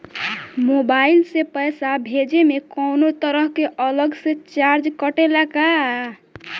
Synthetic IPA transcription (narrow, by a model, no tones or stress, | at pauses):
mobailsepəjsabʱed͡ʒemekɔnot̪əɾəɦkeʔələɡset͡ʃaɾd͡ʒkəʈelaka